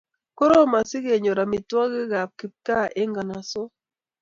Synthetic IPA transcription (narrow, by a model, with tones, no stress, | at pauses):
ko˦ɾo˦˨ma˨si˦ɣe˨ɲo˨ɾa˨mi˨twa˦ɣi˦ɣa˨p̚ki˨p̚ka˦ʔe˦ŋɡa˨na˨so˦